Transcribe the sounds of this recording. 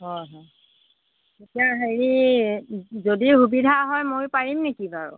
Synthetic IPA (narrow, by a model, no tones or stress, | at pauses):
ɦɔjɦɔj | tetijaɦeɹi | zodihubidʱaɦɔjmojpaɹimnekibaɹʊ̰